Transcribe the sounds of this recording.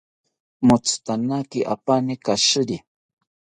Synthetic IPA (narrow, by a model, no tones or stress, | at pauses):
mʊt͡st̪anakiʔa̰panikaʃɨɾi